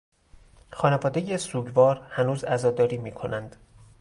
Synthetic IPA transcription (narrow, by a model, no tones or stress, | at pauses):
xɒːnevɒːd̪ejesuːɟvɒːɾhænuːzæzɒːd̪ɒːɾiːmiːkʰo̞nʔænd̪̥